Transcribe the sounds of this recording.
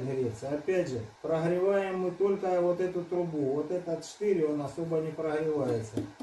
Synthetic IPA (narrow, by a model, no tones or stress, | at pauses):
ɦɾʲet̪sɨɐpʲædʲʐɨpɾəɦɾʲɪvajɪmːɨt̪o̞lʲkəvo̞t̪ɛt̪ʊt̪ɾʊbuvot̪ɛt̪ət̪t͡ʃɪ̥t̪ɨɾʲɪonɐsobənʲɪpɾəɣɾʲɪvajɪt̪sə